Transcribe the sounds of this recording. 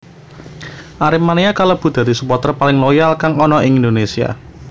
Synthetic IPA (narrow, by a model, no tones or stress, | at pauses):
ʔaɾɪmaneakalob̥ṳd̪̥a̤d̪i̤supɔt̪ɾɔpalɪŋlojalkaŋɔnɔiŋind̪onesia̰